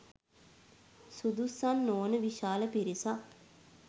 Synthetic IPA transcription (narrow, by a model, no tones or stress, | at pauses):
sud̪usːanːoːnəʋiʃaːləpiɾisa